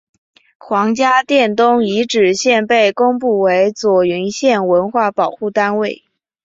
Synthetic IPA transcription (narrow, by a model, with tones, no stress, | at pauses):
kʰwɑ˧˥ŋt͡ɕja˥t̪jɛ˥˩nt̪ʊ˥ŋi˧˥ʈ͡ʂɻ̩˨˩ɕjɛ˥˧npe˥˩ɪkʊ˥ŋp̬u˥˩we˧˥ɪt͡swɔ˨˩y˧˥nɕjɛ˥˩nwə˧˥nxwa˥˩pɑ˨˩ʊxu˥˩t̪a˥nwe˥˩ɪ